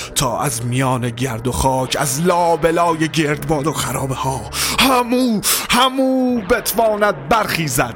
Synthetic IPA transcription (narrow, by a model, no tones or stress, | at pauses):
t̪ʰɒːʔæzmijɒːneɟæɾd̪o̞xɒːcʰæ̰zlɒːbelɒːjeɟeɾd̪bɒːd̪oxæɾɒːbehɒːhæmuːhæmuːbet̪ʰvɒːnæd̪̚bæɾχiːzæd̪̚